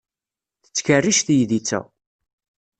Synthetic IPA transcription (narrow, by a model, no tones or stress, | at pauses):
θə̥t͡sːkərːiʃθjðit͡sːæ̰